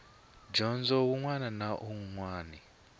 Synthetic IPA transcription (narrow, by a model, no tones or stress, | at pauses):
d͡ʒɔnzɔwuŋwananaʔuŋŋwaːni